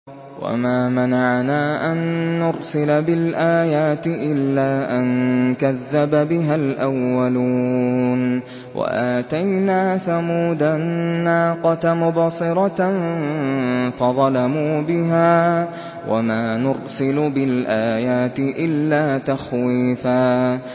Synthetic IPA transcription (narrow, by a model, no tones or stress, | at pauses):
wa̰maːmanaʕnaːʔanːʊɾsɪlabɪlʔaːjaːt̪ɪʔɪlːaːʔankaðːababɪɦalʔawːalun | wa̰ʔaːt̪ajnaːθamuːd̪anːaːqɑt̪mʊbɑsˤɨɾˤɑn | fɑðˤɑlamuːbɪɦaː | wʔa̰maːnʊɾsɪlʊbɪlʔaːjaːt̪ɪʔɪlːaːt̪axwiːfaː